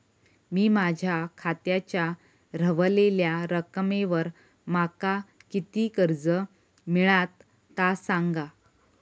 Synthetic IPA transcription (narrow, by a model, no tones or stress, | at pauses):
miːmad͡ʑʱjakʰat̪jat͡ɕja | ɾəʋleljaɾəkmeʋəɾ | makakit̪iːkəɾd͡zə | miɭat̪ː | asaŋɡa